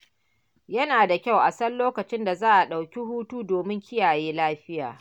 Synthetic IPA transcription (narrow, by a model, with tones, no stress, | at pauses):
jɐ˦naː˨da˨kʲa˦˨wʔa˨sɐ˦lloː˦kɐ˨t͡ʃɪ˦nda˨zaː˦ʔa˨ɗa˨wkʲi˦huː˦tuː˦doː˨mɪ˦ŋkʲɪ˦jaː˨jeː˦laː˦ɸɪ˦ja̰ː˨